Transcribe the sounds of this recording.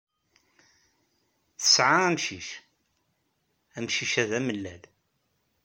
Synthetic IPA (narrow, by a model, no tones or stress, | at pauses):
θə̥sʕaæmʃiʃ | æmʃiʃæðæməlːæl